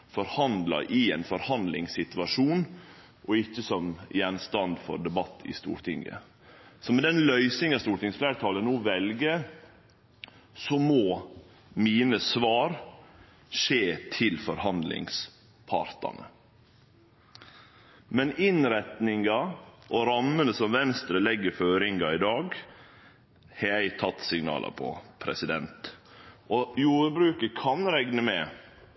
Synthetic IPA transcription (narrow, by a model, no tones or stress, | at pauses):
fɔɾhɑnd̪lɑ̰ʔɪɛnfɔɾhɑnd̪lɪ̰ŋsɪt̪ʉɑʂuːn | ʔɔɪçːəsɔmjɛnst̪ɑnd̪fɔ̰ɾɖ̪ɛbɑt̪ʰːɪ̰st̪ṵːɾʈ̪ʰɪŋə̰ | sɔmɛd̪ɛnlœʏsɪŋɑst̪uːɾʈ̪ɪŋsflæːɾət̪ʰɑːlənuːʋɛlɡə | sɔmoː | miːnəsʋɑːɾ | ʂeːt̪ʰɪlfɔɾhɑnd̪lɪ̰ŋs | pʰɑ̰ɾt̪ɑ̰nə̰ | mɛnɪnɾɛt̪nɪŋɑʔɔɾɑmːənəsɔmʋɛnst̪ɾəlɛɡːəføːɾɪŋɡɑɪd̪ɑːɡ | hɛæɪt̪ʰɑt̪ːsɪŋnɑ̰ːlɑ̰pʰɔ̰pʰɾɛ̰sɪd̪ɛnt̪ʔɔjuːɾbɾʉːkəkʰɑnɾɛɡnəmɛ̰